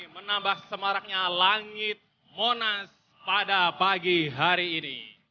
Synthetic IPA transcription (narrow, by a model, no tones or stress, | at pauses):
mənambahsəmaɾak̚ɲalaŋɪt̪̚ | monas | padapaɡiɦaɾiːnḭ